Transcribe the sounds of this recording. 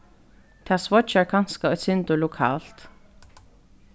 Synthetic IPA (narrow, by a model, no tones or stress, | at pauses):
t̪ʰaːsvɔt͡ʃaɹkʰanskaɔjt̪sɪnt̪ʊlʊkʰa̰ːl̥t̪